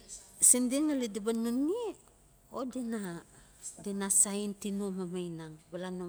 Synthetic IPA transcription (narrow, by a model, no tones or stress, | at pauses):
sindiŋalidabanuni | odena | denasaintinumamajnaŋbalano